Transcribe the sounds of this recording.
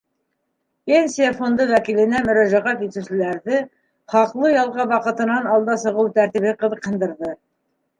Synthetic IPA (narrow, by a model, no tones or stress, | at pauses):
ensiafond̪ɤwækilɘ̆næmɵ̆ɾæʒæʁɑkit̪ʉwsɘ̆læɾðɘ | χɑqlˠɤjɑlˠʁɑβɑqɤ̆t̪ɤ̆nɑnɑlˠd̪ɑsɤ̆ʁɤwt̪æɾt̪iβɘqɤ̆ðˠɤqʰːɤ̆nd̪ɤ̆ɾðɤ